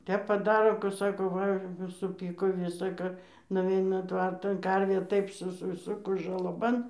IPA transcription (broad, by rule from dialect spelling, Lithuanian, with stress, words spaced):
ˈtʲɛp pɐˈdɑːroː kʊ ˈsɑːkoː ˈʋɐ sʊˈpʲiːkoː ˈʋʲɪsɐ ˈkɐ nʊˈʋʲɛɪnɐ ˈtʋɐrtɐn ˈkɐrʲʋʲeː ˈtɐɪp sʊsʲɪˈsʊkʊs ʒɐlˠɐˈbɐn